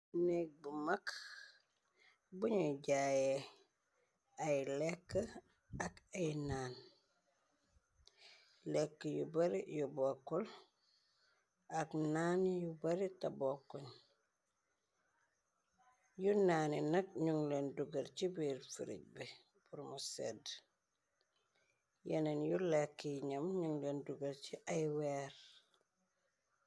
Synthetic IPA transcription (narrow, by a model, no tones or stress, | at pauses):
nek̚bumak | buɲuɟaje | ajlekːə | akajnaːn | lekːəjubaɾijubokːul | aknaːnjubaɾitabokːuɲ | junaːninɐk̚ɲuŋlenduɡəɾcibiɾfḭɾḭɟ̚bi | b̥uɾmusḛd | jenenjulekːiɲɐmɲuŋlenduɡɐɾt͡ʃiʔajweːɾ